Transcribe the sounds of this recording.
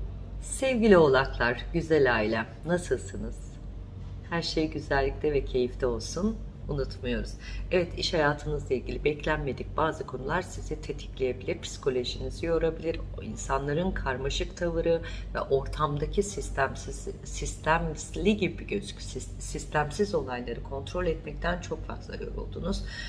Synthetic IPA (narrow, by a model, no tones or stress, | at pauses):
sɛvɟilʲio̞lˠaklˠaɾɟyzɛlʲaːilʲɛ | nasɯlˠsɯnɯz̥ | hæɾʃe̞jɟyzælʲːic̚t̪ʰɛvɛcʰe̞jift̪ʰɛo̞lˠsun | unut̪mɯjo̞ɾuz̥ɛvɛt̪ʰiʃhajaːt̪ʰɯnɯzlˠailʲɟʲilʲibɛclʲænme̞d̪ic̚baːzɯkʰo̞nulˠaɾsizɛt̪ʰet̪ʰi̥clʲije̞bilʲiɾpʰi̥si̥kʰo̞lʲo̞ʒinizijo̞ɾabilʲiɾ | ḭnsanlˠaɾɯnkʰaɾmaʃɯkt̪ʰavɯɾɯvɛ̰ʔo̞ɾt̪ʰamd̪acʰisist̪æmsz | sist̪ʰæmslʲiɟibiɟøzycs | sist̪ʰæmsizo̞lˠajlˠaɾɯkʰo̞nt̪ɾo̞lʲɛt̪mɛc̚t̪ʰænt͡ʃʰo̞kfa̰ɾk̪lˠa̰ɾɯjo̞ɾo̰lˠd̪ṵːnuz̥